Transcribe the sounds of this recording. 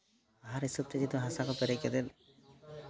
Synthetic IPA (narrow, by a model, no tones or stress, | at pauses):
aɦaɾisɔb̚t̪ɛd͡ʒid̪ɔɦasakɔpɛɾɛkɛd̪ɛl